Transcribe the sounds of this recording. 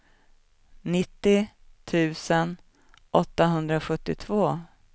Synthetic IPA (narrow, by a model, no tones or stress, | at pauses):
nɪt̪ːɪt̪ʰʉ̟ːsən | ʔɔt̪ːaɦɵnd̪ɾaɧɵt̪ːɪt̪ʰvoː